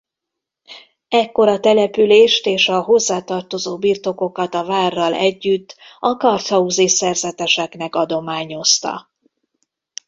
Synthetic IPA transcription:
ɛkːo̞ɾɒt̪ɛlɛpyleːʃt̪eːʃɒɦo̞zːaːt̪ɒrt̪o̞zoːbiːrt̪o̞ko̞kɒt̪ɒvaːrːɒlɛɟːyt̪ːɒkɒrt̪hɒuzisɛrzɛt̪ɛʃɛknɛkɒd̪o̞maːɲo̞st̪ɒ̰

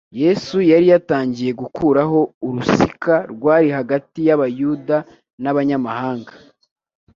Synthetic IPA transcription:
je̞sujaɾijataːɲɟije̞ɡukʰuːɾaɦo̞uɾusikaɾɡwaːɾihaɡatijaβajuːda | naβaɲamahaːŋɡḁ

